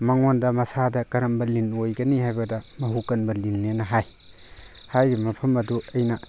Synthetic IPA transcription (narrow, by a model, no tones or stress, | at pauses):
mɐŋondɐmɐsadɐkɐɾɐmbɐlinojɡɐnihajbɐdɐmɐɦukɐnbɐlinːenɐɦaj | hajɡimɐpʰɐmɐduɐjnɐ